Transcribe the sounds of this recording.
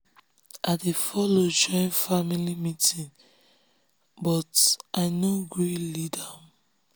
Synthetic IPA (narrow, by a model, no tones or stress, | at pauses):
ʔadefɔlod͡ʒɔ̃ɪ̃nfamilimitĩn | bɔtʔaɪnoɡɹilidam